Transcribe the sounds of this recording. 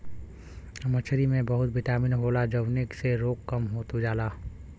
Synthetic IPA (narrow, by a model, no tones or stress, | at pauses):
mət͡ʃʰɾimẽbɐɦʊt̪̚bɪʈaːmɪnɦoːlad͡ʒɐʋnekseɾoːkːɐmɦoːt̪ud͡ʒaːlaː